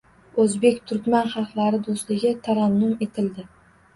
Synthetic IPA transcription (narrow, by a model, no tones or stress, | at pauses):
ɵzbe̞kʲt̪ʰʊɾkʲmanχɑlˠqlˠaɾɪd̪oslɪɡʲɪt̪ʰaɾanːʊme̞t̪ʰɪld̪ɪ